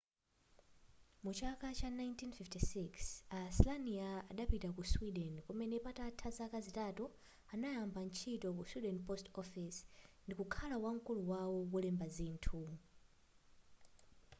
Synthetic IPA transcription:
mut͡ʃakat͡ʃanajntinfiftisiksaslaniaaɗapitakuswiɗɛnkɔmɛnɛpatatʰazakazitatu | anajambant͡ʃʰitɔkuswiɗɛnpɔstɔfisndikukʰalawaŋ̩kuluwawɔwɔlɛmbazintʰu

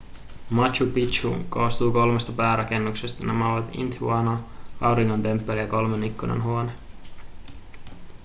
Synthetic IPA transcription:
mɑt͡ʃupit͡ʃṵkoːst̪uːko̞lme̞st̪ɑpæːɾʔɑk̟e̞nːukse̞st̪ɑnæmæoʋɑt̪ḭnt̪uɑnɑɑwɾiŋːo̞nt̪e̞mpːelijɑko̞lmenikːunḛnɦuo̞ne

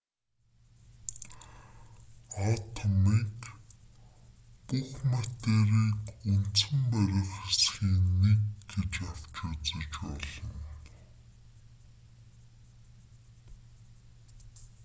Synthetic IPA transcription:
at̪ʰɔmiːk | puxmat̪eːɾiːkun̥t̪səɘ̆mpæɾʲɪ̆χxesxiːnːekɡet͡ɕaw̥t͡ɕʊːt͡sə̆t͡ɕpɔ̰ɮɞ̆n

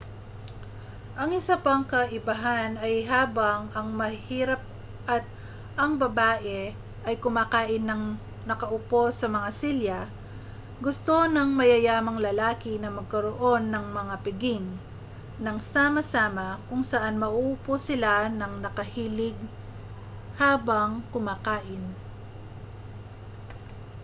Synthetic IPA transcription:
ʔɐŋʔɪsapɐŋkɐʔɪbɐɦanɐjɦaːbɐŋɐŋmɐhiːɾɐp̚ | ʔɐt̪̚ | ɐŋbɐbaːʔɛ | ʔɐjkʊmaːkaːʔɪnːɐŋ | nɐkɐʔʊpo̞sɐmɐŋasiljɐ | ɡʊst̪o̞nɐŋmɐjɐjaːmɐŋlɐlaːkɪnɐmɐɡ̚kɐɾoʔo̞nːɐŋmɐŋapɪɡɪŋ | nɐŋsaːmɐsaːmɐkʊŋsɐʔanmɐʔuːposɪlanɐŋnɐkɐhiːlɪɡ̚ | haːbɐŋkʊmaːkaːʔɪn

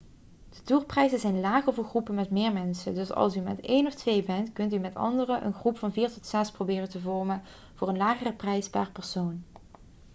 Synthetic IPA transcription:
d̥ətuːɹprɛjzəzɛjnlaːχəɹvʊːɹχrupəmɛtmɪːɹmɛnsədɵsɑ̰lˠsymɛtejnɔftʋejbɛntkɵntymɛtɑ̰ndərəʔə̰nχrupfɑnviːɹtɔtsɛsprowbɪːrəntəvɔɹmən | v̥ʊːɹənlaːχərəprɛjspaːrpɛɹsown

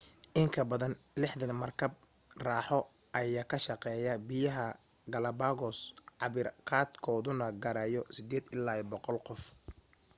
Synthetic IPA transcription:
ʔɪŋkʰɐbɐðɐnlɪħðɐnmɐrkʰɐb̚ | raːħɔ | ʔɐjaːkʰɐʃɑqɛːjɐbɪjɐɦɐ | ɡɐlɐbaːɣɔsʕɑβɪrqɑːd̪kʰɔːðʊnɐɡɐɾɐjɔsɪd̪ɛːd̪ɪlːaːbɔqɔlqɔf

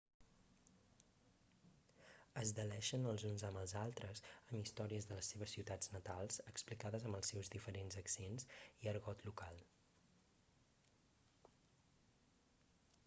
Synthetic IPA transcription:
əzðəlɛʃənəlˠzunzəmbəlˠzalˠt̪ɾəzəmist̪ɔɾiəzðələsːeβ̞əsːiwt̪ad͡znət̪alˠzəksplikaðəzəmbəlˠsːɛwzðifəɾenzəksenziəɾɣɔt̪lukalˠ

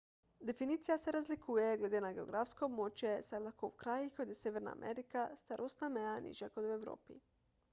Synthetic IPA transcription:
d̪e̞finiːt̪sijase̞ɾazlikʰujeɡle̞d̪enaɡe̞o̞̰ɡɾafskomot͡ʃjesad̪lakowkɾajikod̪jesʲjeʋeɾna̰ːmʔḛɾikast̪aɾʔosnamejanʔḭʒjakod̪ueʋɾo̰ːpḭ

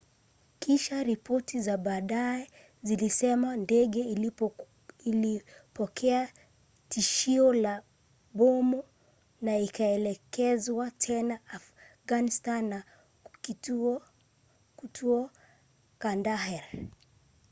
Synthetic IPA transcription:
kiʃaɾipɔtʰizaɓaːɗaɛ | zilisɛmandɛɠɛ | ilipɔkʰɛa | tiʃiɔla | ɓɔmɔ | naikaɛlɛkɛzwatʰɛnaːf | ɣanistanːa | i | tʰuɔ | kandaɦɛɾ

